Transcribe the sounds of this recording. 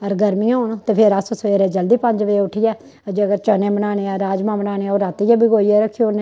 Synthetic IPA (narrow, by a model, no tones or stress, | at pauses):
əɾɡəɾmijãːoːnõːt̪eːpʰeɾəsəsoeːɾɛːd͡ʒəld̪iːpəɲd͡ʒʋeʊʈʰijɛː | əd͡ʒeːəɡəɾt͡ʃəːnẽːbənaːneːaːɾaːd͡ʒmãːbənaːneːaoːɾat̪ijaːbiɡoːiɛːɾəkʰːione